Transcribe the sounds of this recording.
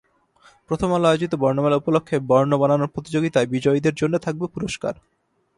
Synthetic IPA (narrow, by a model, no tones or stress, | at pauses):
pɾot̪ʰomalajod͡ʑit̪obɔɾnomelupolokʰːebɔɾnobananoɾpɾot̪id͡ʑoɡit̪aebid͡ʑɔjd̪eɾd͡ʑonːot̪ʰak̚bepuɾoʃka̰ɾ